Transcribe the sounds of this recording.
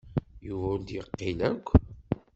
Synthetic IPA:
juvʊnd̪jəqːilækʷː

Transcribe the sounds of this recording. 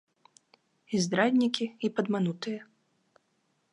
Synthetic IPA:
izd̪ɾad̪ʲnʲikʲiipɐd̪manut̪ɨjɐ

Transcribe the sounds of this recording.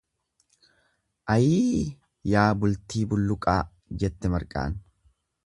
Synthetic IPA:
ʔɐjiː | jaːbʊlt̪iːbʊlːʊkʼaː | d͡ʒɛt̪ːɛmɐɾkʼa̰ːn

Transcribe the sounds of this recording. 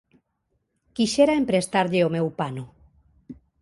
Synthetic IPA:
kiʃeɾaempɾest̪aɾʎeomewpano

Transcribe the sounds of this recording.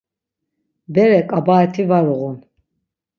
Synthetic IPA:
bɛɾɛkʼabaːt̪ʰivaɾuʁun

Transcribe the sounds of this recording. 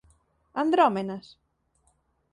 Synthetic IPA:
and̪ɾɔmenɐs

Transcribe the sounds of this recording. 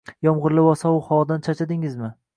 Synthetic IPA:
jɒmʁʊɾlɪwɒsɒʊhɒd̪ant͡ʃʰat͡ʃʰad̪ɪŋɪzmɪ

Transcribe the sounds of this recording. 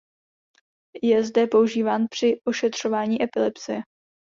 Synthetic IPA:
jɛzdɛpo̞uʒiːvaːnpr̝̥ɪʔo̞ʃɛt̪r̝̥o̞vaːɲiːʔɛpɪlɛpsɪjɛ

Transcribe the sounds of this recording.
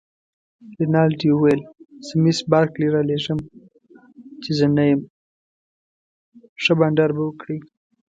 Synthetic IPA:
lɪnɑlʈiwuwelz̥əmisbɑɾkliɾaleʐəm | t͡ʃezənajəm | ʂəbaɳɖaɾbawəkɽi

